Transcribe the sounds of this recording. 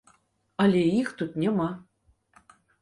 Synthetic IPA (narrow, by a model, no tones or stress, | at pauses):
ɑlʲeixt̪ut̪̚nʲemɑ